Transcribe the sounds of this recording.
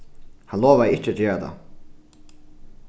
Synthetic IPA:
hanloːʋaðɪt͡ʃːɪat̪d͡ʒeːɹat̪ʰa̰

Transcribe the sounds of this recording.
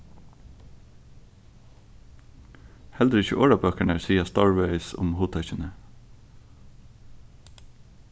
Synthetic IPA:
hɛld̪ɾəɪçə̰ʔoːɹɑbøːkæɳəsiːɑst̪ɑːɹʋœʏsʊ̰mhuːt̪ʰœçənə

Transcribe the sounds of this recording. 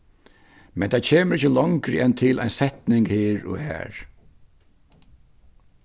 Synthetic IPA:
mɛnt̪ʰaːcʰeːməɾɪçəlɔŋkɾɪ̰ʔɛnt̪ʰɪla̰ɪjnsɛht̪nɪŋkhiːɹʊ̰hæ̰ːɹ

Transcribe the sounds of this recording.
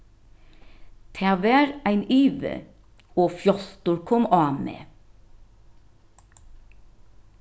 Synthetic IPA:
t̪ʰæːʋæːɾæɪnyːʋə̰ | oːfjɔst̪ʊɾkʰɔmɑːmḛː

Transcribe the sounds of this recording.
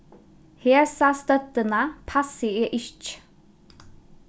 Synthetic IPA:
heːɹsɑːst̪œt̪ənapʰasɪeːʔɪçt͡ʃ

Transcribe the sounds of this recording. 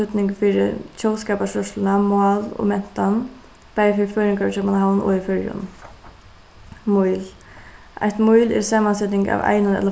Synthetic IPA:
ʏt̪nɪŋkfiːɾɪ̰t͡ɕʰɔwskaːpaʂœʂlɪnamwɑːlɔ̰mɛn̥t̪an | pajfɪɾfœːɾɪŋkaɾt͡ʃʰœpanhawnɔ̰ifœɹjʊ̰n | mujl | ʔa̰jht̪mujlɛ̰ɾsaːmansɛt̪nɪŋka̰ʋa̰jnʊnɛ̰t̪la

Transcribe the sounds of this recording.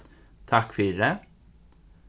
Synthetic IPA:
t̪ʰɑkfʏɾə

